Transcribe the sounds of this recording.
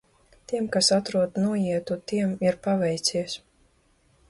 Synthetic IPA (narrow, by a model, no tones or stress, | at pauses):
t̪iɛmkasat̪ɾuɔd̪nuɔjiɛt̪ut̪iɛmiɾpavɛjt̪sʲiɛs